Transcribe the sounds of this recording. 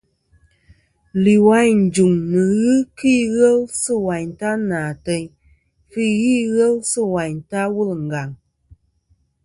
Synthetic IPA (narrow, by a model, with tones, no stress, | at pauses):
li˨wa˦jɲn̩˨d͡ʒu˨ŋnɨ˨ɣɨ˦ki˦ɣɛ˦lsɨ˦wa˨ɲ˨ta˦naː˨tɛ˧ɲ | fi˦ɣiː˦ɣə˦lsɨ˦˨wa˨ɲta˦wu˦lŋ̩˨ɡa˨ŋ